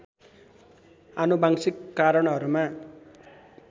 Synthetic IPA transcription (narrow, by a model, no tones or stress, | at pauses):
anubaŋsikːaɾʌɽɦʌɾuma